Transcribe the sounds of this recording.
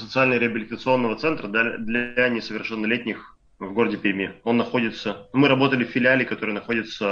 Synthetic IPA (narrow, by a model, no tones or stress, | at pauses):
sət̪sɨalʲnəɾʲɪəbʲɪlʲɪt̪ət̪sɨo̞nːəvət̪sɛnt̪ɾəd̪ad̪lʲɐnʲɪsəvʲɪrʂɛnːɐlʲetʲnʲɪx | vɡo̞ɾədʲɪpʲɪɾʲmʲio̞nːɐxo̞dʲɪt̪səmɨɾɐbo̞t̪əlʲɪfʲːɪlʲɪalʲɪkɐt̪o̞ɾɨjənɐxo̞dʲɪt̪sə